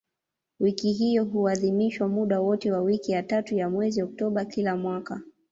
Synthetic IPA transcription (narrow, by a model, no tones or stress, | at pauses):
wikiɦijɔɦuaðimiʃwamuɗawɔtɛwawikijatatujamwɛziɔk̚tɔɓakilamwaka